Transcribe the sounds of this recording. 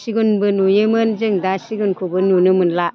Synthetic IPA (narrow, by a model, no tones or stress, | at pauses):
siɡunbɯnujɯmɯnzɯŋdasiɡunkʰubɯnunɯmɯnla